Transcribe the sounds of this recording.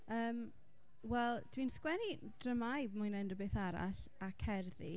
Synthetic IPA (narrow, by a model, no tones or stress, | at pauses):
əːm | wɛlˠd̥winskwɛni | d̥rəmajbmʊnɛndɔbeːθaɾa̰ɬ | akʰɛrðḭ